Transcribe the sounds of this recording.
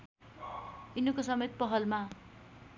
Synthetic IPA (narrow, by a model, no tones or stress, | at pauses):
inʌkosʌmet̪̚pʌɦʌlma